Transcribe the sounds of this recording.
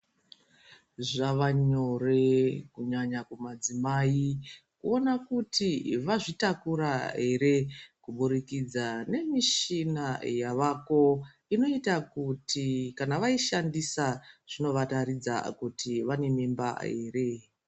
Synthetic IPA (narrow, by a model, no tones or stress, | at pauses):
ʐaʋaɲo̞rekuɲaɲakumad͡zimaikuo̞nakutiʋaʐitakuɾaɦe̞ɾe̞kuɓuɾikid͡zane̞miʃinajaʋako̞ | ino̞itakutʰikanaʋaiʃandisaʐ̥ino̞ʋatarid͡za̰kutiʋane̞mimba̰ɦe̞̰ːre̞